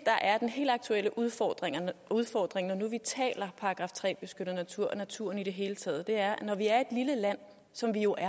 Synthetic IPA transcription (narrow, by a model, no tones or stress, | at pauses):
d̥ɑ̈ʔæɐd̥enɦe̝̰ːld̥ɑ̈ɡ̥̚t͡sʰuel̰əʔuð̞ˠfɒd̥ʁeŋɐuð̞ˠfɒ̰ːd̥ʁeŋnɒnuʋit͡sʰɛ̰ːlɐpʰɑ̈ʁɑɡ̥ʁɑ̈ːft͡sʰʁɛ̰ːb̥e̝sɡ̥øɾ̥ð̩ˠnæt͡sʰuɐ̰næt͡sʰuɐ̰niɾ̥e̝ɦe̝ːlət͡sʰɛ̰ːð̞ˠd̥e̝æɐnɒʋiæɐe̝d̥liləlæn̰ | sɒ̽mʋijo̝ʔæɐ